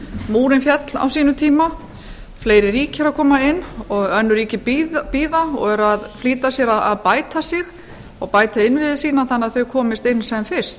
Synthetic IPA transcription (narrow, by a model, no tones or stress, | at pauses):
muːɾɪnfjɛt̪la̰wsiːnʏt̪ʰiːma | fleːjɾɪɾiːcɪɾaðkʰɔːmaɪnːɔɣœnːʏɾiːcɪpipiːðaɔɣɛɾaðfliːt̪asjɛɾaa̰ðpaːjt̪asɪx | ɔɣpaːjt̪aɪnːvɪðɪsiːnaθanːaðθœɥkʰɔːmɪst̪ɪnsɛmfɪɾ̥st̪